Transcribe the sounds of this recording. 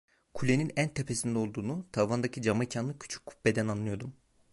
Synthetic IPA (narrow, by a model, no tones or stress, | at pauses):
kʰulʲe̞ninænt̪ʰepʰe̞sind̪ɛo̞lˠd̪uːnut̪ʰavand̪acʰid͡ʒamacʰanlˠɯcʰy̥t͡ʃʰy̥cʰːu̥pbe̞d̪ænanlˠɯjo̞ɾd̪um